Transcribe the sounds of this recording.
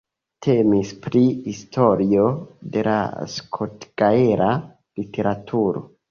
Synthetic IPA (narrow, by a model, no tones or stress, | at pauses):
tʰe̞mispɾihistʰo̞ɾio̞de̞la̰skʰotɡ̥aeɾʔa | litʰe̞ɾatʰuɾo̞̰